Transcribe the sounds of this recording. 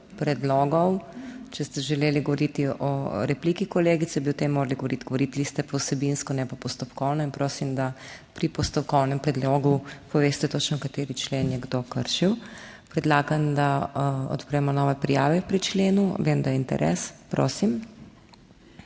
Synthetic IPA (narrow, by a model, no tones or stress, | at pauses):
pɾɛd̪lɔːɡɔwt͡ʃɛst̪ɛʒɛleːliɡɔʋɔɾit̪iɔɾɛpliːkikɔleːɡit̪sɛbiɔt̪emːoːɾaliɡɔʋoɾit̪ɡ̥ɔʋoɾit̪list̪ɛpɔwsɛbinskɔnɛpapɔst̪ɔpkɔwnɔinpɾoːsimd̪apɾipɔst̪ɔpkɔwnɛmpɾɛd̪lɔɡupɔʋeːst̪ɛt̪ot͡ʃnɔkat̪eːɾit͡ʃleːnjɛɡd̪okəɾʃiw | pɾɛd̪laːɡand̪aɔ̰t̪pɾɛmɔnɔːʋɛpɾijaːʋɛpɾit͡ʃleːnuʋemd̪ajɛint̪ɛ̰ɾʔɛ̰ːspɾo̰ːsim